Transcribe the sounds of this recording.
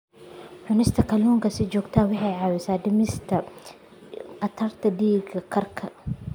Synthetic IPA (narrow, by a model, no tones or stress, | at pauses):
ħʊnɪst̪ʰɐkʰɐluːŋkʰɐsɪd͡ʒɔːɡt̪ʰaːwɑħɑjʕɑːwɪsaːd̪ɪmɪst̪ʰɐ | qɐt̪ʰɐrt̪ʰɐdiːɡɐkʰɐrkʰɐ